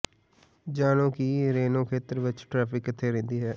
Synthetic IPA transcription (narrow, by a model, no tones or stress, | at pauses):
d͡ʒaːnõːkiɾeːnõːkʰeːt̪əɾʋɪt͡ʃʈɾaːpɪkːɪt̪ʰːeːɾɛ̃ːnd̪iːɦɛː